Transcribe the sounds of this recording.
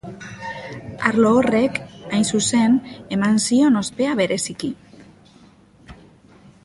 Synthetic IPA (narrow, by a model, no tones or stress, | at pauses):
aɾloːre̞kajnsuse̞nemansio̞no̞spe̞aβe̞ɾe̞siki